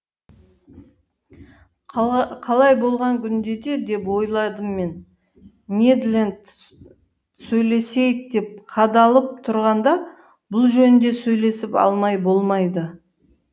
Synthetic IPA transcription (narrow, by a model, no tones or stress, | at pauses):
qʰɑlˠɑjbo̞lˠʁɑŋkʲʰʏnd̪e̞d̪e̞d̪e̞pwo̞jlˠɑd̪əmːe̞n | ned̪lʲend̪ | sɵjle̞se̞jɪk̚d̪e̞p̚qʰɑd̪ɑlˠəp̚t̪ʰʊɾʁɑnd̪ɑ | bʊlˠʒɵnɪnd̪e̞sɵjle̞sɪpɑ̰lˠmɑjbo̞lˠmɑjd̪ə